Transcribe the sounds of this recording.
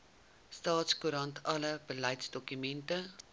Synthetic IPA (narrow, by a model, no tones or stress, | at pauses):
stɑːtskuɾɐntʰɐləbəlɐjtsdɔkymɛntə